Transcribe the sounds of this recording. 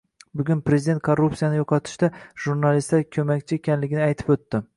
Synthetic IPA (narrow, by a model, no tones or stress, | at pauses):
bʊɡʲʊnpɾe̞zid̪e̞nt̪̚kʰorːupsijanɪjoqʰɒt̪ʰɪ̥ʃd̪aʒuɾnalist̪akʲʰɵmakʲt͡ʃʰɪekʲʰanlɪɡʲɪnɪajt̪ʰɪ̥pɵt̪ːɪ